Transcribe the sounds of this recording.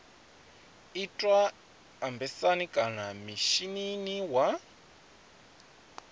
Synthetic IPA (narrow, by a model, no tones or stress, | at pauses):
itʼwaː | mbɛsanikʼanamiʃininiwa